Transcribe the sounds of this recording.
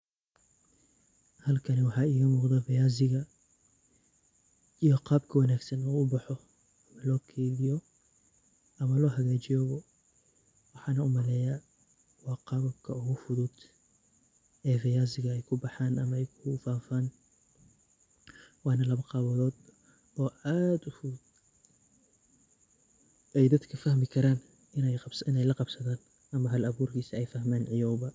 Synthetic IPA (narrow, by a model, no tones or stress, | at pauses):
hɐlkʰɐnɛwɑħɑːɪːɣɐmuːqd̪ɐfɛjaːzɪɣɐ | ijɔqɑːbkʰɐwɐnaːɡsɐnuːʊbɑħɔ | ɐmɐlɔːkʰɛːβɪjɔ | ʔɐmɐlɔːɦɐɣaːt͡ʃɪjɔβɔ | wɑħɑːnɐʊmɐlɛːja | wɑːqɑβɐbkʰɐʊɣʊfʊðʊd̪ | ʔɛːfɪjaːzɪɣɐɛjkʰʊbɑħaːnɐmɐɛjkʰʊfaːfaːn | wɑːnɐlɐβɐqɑβɐðɔːd̪ | ɔːʔaːd̪ʊfuːd̪ | ʔɛjd̪ɐd̪kʰɐfɐhmɪkʰɐɾaːn | ɪnɛjbsɪnɛjlɐqɑbsɐðaːn | ʔɐmɐɦɐlɐβuːrkʰiːsɐɛjfɐhmaːnʕɪjɔːwbɐ